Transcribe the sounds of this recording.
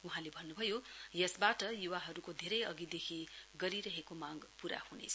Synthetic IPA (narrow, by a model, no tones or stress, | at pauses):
uɦãlebʱʌnːubʱʌjojʌsbaʈʌjuwaɦʌɾukod̪ʱeɾʌjʌɡid̪ekʰiɡʌɾiɾʌɦekomãɡpuɾa̰hunḛt͡sʰʌ̥